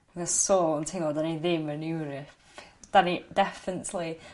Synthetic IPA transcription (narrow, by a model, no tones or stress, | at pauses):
mɛsɔːlˠəntʰilˠɔdaniðɪmənjuɾəp | d̥anidɛfɪnətʰli